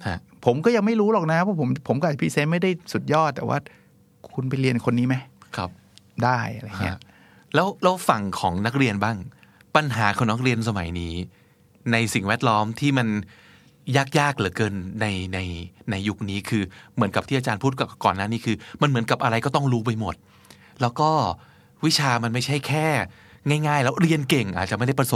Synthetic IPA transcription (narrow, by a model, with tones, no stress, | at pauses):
hʰa˦˥˩ | pʰo˩˦mkɔː˥˩ja˧ŋma˥˩jɾuː˦˥lɔː˨˩kna˦˥pʰɔː˥˩pʰo˩˦mpʰo˩˦mkɔ˥ʔa˨˩pʰi˦˥seː˦˥t̪̚ma˥˩jda˥˩jsu˨˩t̪̚jɔː˥˩t̪ːɛː˨˩wa̰ː˥˩ | kʰu˧np̬a˧jɾi˧ənkʰo˧nːiː˦˥ma˦˥jkʰa˦˥p̚ | daː˥˩jʔa˧ɾa˧˩ŋi˦˥ɐ˦˩ | lɛː˦˥wlɛː˦˥wfa˨˩ŋkʰɔː˩˦ŋna˦˥k̚ɾi˧ənbaː˥˩ŋ | pa˧nɦaː˩˦kʰɔ˨˧˩na˦˥k̚ɾi˧əns̬a˧ma̰˩˦jniː˦˥ | na˧jsi˨˩ŋwɛː˥˩t̪̚lɔː˦˥mt̪ʰiː˥˩ma˧n | jaː˥˩k̚jaː˥˩k̚lɯː˩˦kɤː˧nːa˧jna˧jna˧jːu˦˥k̚niː˦˥kʰɯː˧mɯ˩˦ənka˩p̚t̪ʰiː˥˩a˧t͡ɕaː˧npʰuː˥˩t̪̚ka˨˩kɔː˨˩nːaː˥˩niː˦˥kʰɯː˧ma˧nmɯ˩˦nka˨˩p̚ʔa˧ɾa˧jkɔː˥˩t̪ɔ˥˩ŋɾuː˦˥p̬a˧jmo˨˩t̪̚ | lɛː˦˥wkɔː˥˩ | wi˦˥t͡ɕʰaː˧ma˧nma˥˩jt͡ɕʰa˥˩jkʰɛː˥˩ | ŋaː˥˩jŋaː˥˩jlɛː˦˥wɾi˧ənke˨˩ŋʔa̰ː˨˩t͡ɕa˨˩m˥˩jda˥˩pɾa˧so˨˦